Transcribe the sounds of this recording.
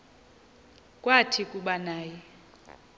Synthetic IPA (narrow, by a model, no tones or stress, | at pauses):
kʼwatʰikʼuɓanaːjɛ